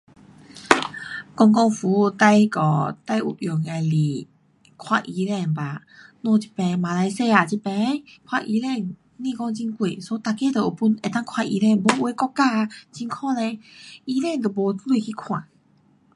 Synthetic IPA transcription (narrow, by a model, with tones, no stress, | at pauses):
kɔ˥˧ŋkɔ˥˧ŋfu˨˦˧t̪a˧jkɔ˨˩t̪a˥˧˨jʔṵ˨˩p̚jɔ˨˩ŋe˧˩li˨˩ | kʰwa˧ʔi˧˦lɛ˥˧˩nba˨ | nɔ̃˧˨t͡ɕi̥˧˩pɛ̃˧˩mã˨˧la˧˦jse˥˧a˨t͡ɕi˧pɛ̃˧˦kʰwa˧ʔi˧lɛ˥˧˨n | nĩ˧kɔ˥˧˨ŋt͡ɕi˧nkwe˨so˧˦t̪a˧ke˧˦t̪ə˨˩ʔo˨˩pu˧˨ne˨˩t̪a˥˨ŋkʰwa˧˩ʔḭ˧˦lɛ˥˧˨nbo˧˦ʔwe˧˦kɔ˥˧kːa˥˧˨t͡ɕi˧nkʰɔ˥˧˨nɛ̃˧i˧˦lɛ˥˧˨nt̪o˨˩bo˨˧˦lwe˧˨kʰi˧kʰwã̰˨˩˨